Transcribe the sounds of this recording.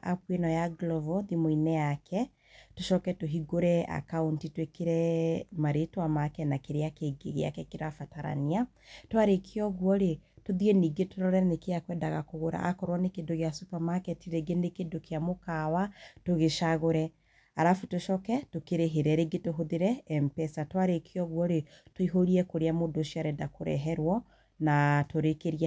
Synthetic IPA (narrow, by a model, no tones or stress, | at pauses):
ʔa̰pwenɔjaɡlɔvɔðimoinɛjakʰɛ | toʃɔkɛtoɦiɡoɾɛa̰kauntitwekeɾɛmaɾetwamakɛnakeɾeakeɡḛɣḛa̰kɛkeɾafataɾa̰nia | toaɾekʰeɔɣwɔɾetoðjeniːɡetoɾɔɾɛnekeakwɛːndaɣakoɣoɾa̰ʔa̰kɔɾwɔnekendoɣeasupamakɛtiɾeɡenekedokeamokawatoɣeʃaɣoɾɛ | aɾafutoʃɔkɛtokeɾeɦeɾɛɾeɡetoɦoðeɾɛːmpɛsatwaɾekʰeɔɣwɔɾetoiɦoɾiɛkoɾeamodoʃiaɾɛdakoɾɛ̰ɦɛɾwɔ | natoɾekeɾia